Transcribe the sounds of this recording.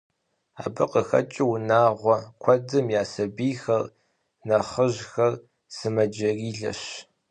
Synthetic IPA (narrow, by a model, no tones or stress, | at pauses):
aːbɨqəxɐ̰t͡ʃʼɪwnaːʁʷɔkʷʰɔdɨmjaːsɐbiːxɐr | nɐχəʒxɐr | sɨmɐd͡ʒɐriːɮɐ̰ʃ